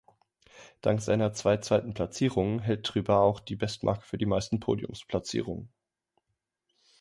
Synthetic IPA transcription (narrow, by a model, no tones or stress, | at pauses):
d̥aŋktz̥aɪnɐt͡sv̥aɪt͡sv̥aɪtn̩pʰl̥at͡siːʁ̞ʊŋɦɛlt̚ʁ̥yːbaaʊxd̥iːbɛstmʔa̰ɐkə̥fyːɐdiːmaɪstn̩pʰo̰ːdjʊ̰mspʰl̥at͡sḭːʁ̞ʊŋən